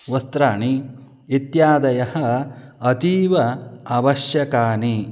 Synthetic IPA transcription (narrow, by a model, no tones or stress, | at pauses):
ʋɐst̪ɾaːɳiː | t̪jaːd̪ɐjɐhɐː | t̪iːʋɐaʋɐʃjɐkaːni